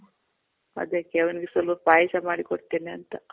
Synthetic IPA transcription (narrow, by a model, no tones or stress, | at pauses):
ɐ̰d̪eːkːeʋɐniɡesɐlpɐpaːjʃɐmaːɽikoɽt̪eːneɐnt̪ɐ